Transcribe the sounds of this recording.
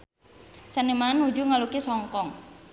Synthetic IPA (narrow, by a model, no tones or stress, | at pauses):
sənimanud͡ʒuŋalukisɔŋkɔŋ